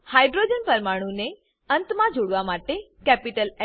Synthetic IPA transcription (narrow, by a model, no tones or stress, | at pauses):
haːjɖɾoːd͡ʒənpɐɾmaːɽ̃une | ɐ̃nt̪mãd͡ʒoɽʋamaːʈe | kɛːpiʈəlɛ